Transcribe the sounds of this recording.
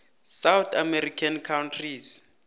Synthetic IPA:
sawt̪ʰamɛɾikʰankʰawntʰris

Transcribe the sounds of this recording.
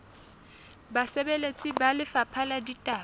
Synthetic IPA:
basebelet͡sʼibalɪfapʰaladitʼa

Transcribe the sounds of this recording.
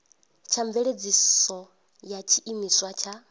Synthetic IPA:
t͡ʃʰaɱveɺed͡zisɔ | jat͡ʃʰiʔimiswat͡ʃʰa

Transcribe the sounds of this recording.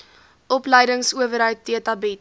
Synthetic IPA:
ʔɔpləjdəŋsuəvəɾɦəɥtːiətɐbɛt

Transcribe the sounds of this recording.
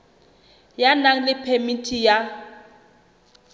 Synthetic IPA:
janaŋ̩lɪpʰemitʰʼija

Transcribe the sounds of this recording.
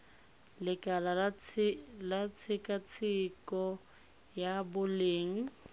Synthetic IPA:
lɪkʼala | lat͡sʰɪkʼat͡sʰɪkʼɔ | jabʊleːŋ̩

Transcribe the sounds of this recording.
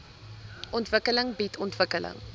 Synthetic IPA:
ʔɔntvəkələŋbitʰɔntvəkələ̰ŋ

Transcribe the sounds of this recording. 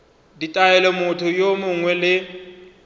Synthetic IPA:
ditʼaɛlɛmʊtʰʊjomʊŋwɛlɪ

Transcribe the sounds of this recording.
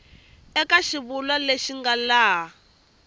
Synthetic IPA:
ɛkaʃiβulwaleʃiŋɡalaː

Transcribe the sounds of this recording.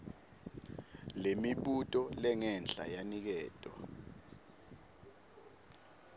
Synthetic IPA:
lemiɓutʼɔlɛŋɛnɬa̰janik̬ɛːtʼɔ̰

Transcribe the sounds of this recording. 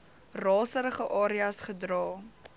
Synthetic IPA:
rɑːsəɾəχəʔɑːɾiɐsχədrɑː

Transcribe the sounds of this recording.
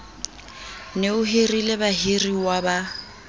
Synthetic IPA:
neʊɦerilebaɦiriwaba

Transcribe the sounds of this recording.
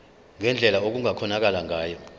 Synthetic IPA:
ŋɛnd͡ɮʱɛlaok̬uŋakʰɔnak̬alaŋʱaːjɔ

